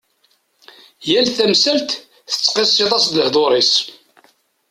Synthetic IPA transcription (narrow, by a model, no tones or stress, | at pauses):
jælθæmsælt̪ | θə̥t͡sːqesːit̪ˤɑsd̪ləhðˤoɾˤis